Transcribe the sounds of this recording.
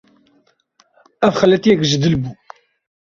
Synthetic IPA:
æfxælːæt̪iækʒd̪əlbu

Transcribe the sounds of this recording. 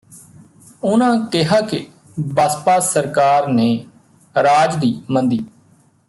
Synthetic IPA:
ʊnãːkɪɦaːkɪ | baspaːsəɾkaːɾneː | ɾaːd͡ʒd̪iːmənd̪iː

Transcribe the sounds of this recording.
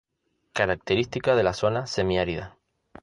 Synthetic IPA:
kaɾak̚t̪eɾist̪ikað̞e̞laso̞nase̞miaɾiða

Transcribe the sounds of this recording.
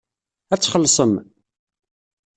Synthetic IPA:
æt͡sːχəlːsˤəm

